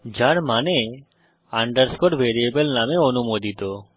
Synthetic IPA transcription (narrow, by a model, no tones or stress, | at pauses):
d͡ʑaɾmane | aɳɖəɾskoʈbʱeɾiebelnameonumod̪it̪o